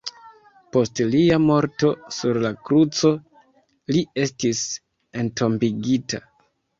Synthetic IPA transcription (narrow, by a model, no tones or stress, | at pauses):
po̞stliamo̞ɾto̞suɾlakɾut͡so̞ | lie̞stis | e̞nto̞mbiɡita̰